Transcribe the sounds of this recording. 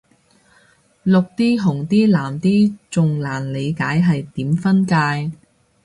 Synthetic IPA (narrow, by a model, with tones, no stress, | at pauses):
lʊ˨k̚t̪iː˥ɦʊ˨˩ŋt̪iː˥laː˨˩mt̪iː˥t͡sʊ˨ŋlaː˨˩nle˨˧jkaː˨˥jɦɐ˨jt̪iː˨˥mfɐ˥nkaː˧j